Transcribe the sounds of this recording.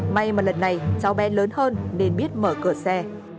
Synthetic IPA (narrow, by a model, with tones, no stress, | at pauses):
ma˧jmaː˨˩lə˨˩nːa˨˩jt͡ɕa˨˦wɓɛ˨˧˦nləː˨˦nhəː˧nne˧˩nɓi˦˥ət̚məː˧˩kɨ˧˩əsɛ˧